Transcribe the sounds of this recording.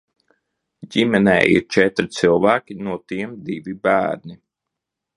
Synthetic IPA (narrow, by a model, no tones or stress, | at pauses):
ɟimɛnɛ̰ːʔḭɾt͡ʃɛt̪ɾit̪silˠvæːkʲinuɔt̪iɛmd̪ivibæːɾni